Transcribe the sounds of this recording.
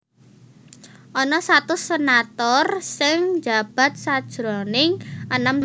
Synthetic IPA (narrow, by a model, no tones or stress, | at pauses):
ʔɔnɔsat̪ʊsenat̪ɔrsɪŋd͡ʒa̤b̥a̤t̪̚sad̥ʒ̥ɾɔnɪŋʔənəm